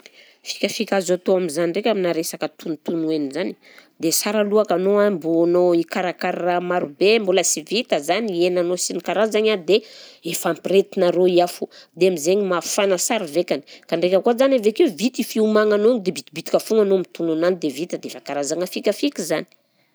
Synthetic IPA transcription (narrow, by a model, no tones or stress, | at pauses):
fi̥kʲafikʲazat̪oamizaniɳɖ͡ʐekʲaminaɾesakət̪unt̪unuenizani̥ | d̪esaɾaluakanoambuanoikaɾakaɾamaɾubembuləsivit̪əzanenanosinikaɾazaɲad̪eefampɾet̪inaɾoiafud̪eamizeɲimafanəsaɾivekʲani̥kaɳɖ͡ʐekʲəkuazanavekevit̪ifiumaŋanond̪ebit̪ibit̪i̥kafuŋanomit̪ununanid̪evit̪əd̪efakaɾazaŋəfikʲafikʲizani̥